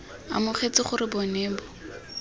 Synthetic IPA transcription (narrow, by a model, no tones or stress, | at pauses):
a̰mʊχet͡sɪχʊɾɪbɔneːbɔ